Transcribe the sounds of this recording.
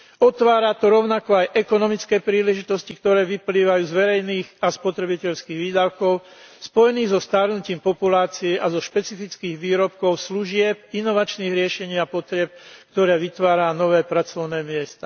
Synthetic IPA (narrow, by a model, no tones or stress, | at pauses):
ɔt̪ʋaːɾat̪ɔɾɔʊnakɔajʔɛkɔnɔmit͡skɛːpɾiːlɛʒit̪ɔscikt̪ɔɾɛːʋipliːʋajuːzʋɛɾɛjniːɣaspɔt̪ɾɛbicɛʎskiːɣʋiːd̪aʊkɔʊspɔjɛniːɣzɔst̪aɾnuciːmpɔpulaːt͡siɛʔazɔʃpɛt͡sifit͡skiːɣʋiːɾɔp̚kɔʊsluʒɪɛp̚inɔʋat͡ʃniːɣɾɪɛʃɛɲiːapɔt̪ɾɪɛp̚k̚t̪ɔɾɛːʋit̪ʋaːɾanɔʋɛːpɾat͡sɔʊnɛːmɪɛst̪aː